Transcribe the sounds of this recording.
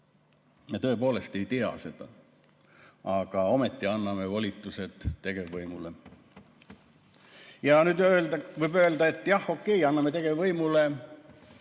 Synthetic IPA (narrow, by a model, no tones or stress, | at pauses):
me̞t̪ɤ̞ːpo̞ːle̞st̪e̞jt̪eɑ̰se̞d̪̥ɑ̰ | ɑɡ̥ɑo̞me̞t̪ˑːiɑnːɑme̞volʲit̪ːˑuse̞t̪ːe̞ɡ̥e̞vvɤjmule | jɑnyːd̪ølvɤjbø̞ːld̪ɑe̞t̪ːˑjɑho̞kˑːe̞jɑnːɑmet̪e̞ɡ̥evvɤjmule